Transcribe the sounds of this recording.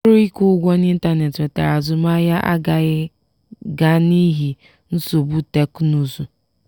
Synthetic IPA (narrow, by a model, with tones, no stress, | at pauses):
ɾʊ˦i˦kʊ˦ɡʷɔ˦n˦i˦n̩˦ta˦ne˨te˨ta̰˨ɾa˨zʊ˨ma˦ja˦ʔa̰˦ɡa˨ɣɪ˦ | ɡa˦ni˦ɦi˨ | n̩˦so˨bu˦te˦knu˦zu˨